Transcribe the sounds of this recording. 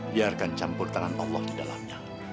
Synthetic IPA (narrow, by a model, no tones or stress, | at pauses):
biarkant͡ʃampʊrt̪aŋanɑ̰lːɔhdidala̰mɲa